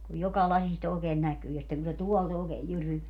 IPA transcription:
kuj jokɑ lɑsist oːkeːn nækyː jɑ sitːeŋ ku se tuɔlt oːkeːj jyryʋeæ

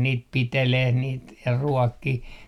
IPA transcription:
niːt piteleh niːt jɑ ruɔkːih

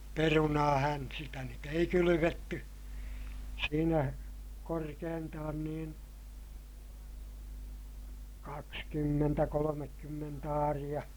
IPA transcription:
perunɑːhæn sitæ nyt ei kylyʋetːy siːnæ korkeːntɑːn niːn kɑkskymːentæ kolomekːymːent ɑːrij̆ɑ

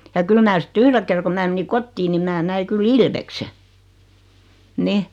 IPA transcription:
jɑ kyl mæ sĭt yhre ker ko mæː meni kotːiː ni mæː næi kyl ilʋekse nih

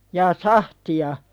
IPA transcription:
jɑː sɑhtiɑ

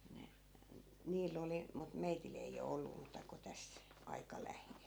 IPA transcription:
ne niːl oli mut meitil ei o olːu muːtɑ ko tæs ɑikɑ læheːl

